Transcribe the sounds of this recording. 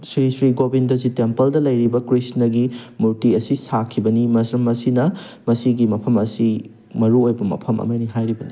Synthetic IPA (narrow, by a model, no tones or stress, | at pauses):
sɾisɾiɡobindɐzitempɐldɐlɐjɾibɐkɾisnɐɡimuɾtiɐsisakʰibɐnimɐsɾɐmɐsinɐ | mɐsiɡimɐpʰɐmɐsi | mɐɾuojbɐmɐ̰pʰɐmɐ̰mɐniɦajɾibɐni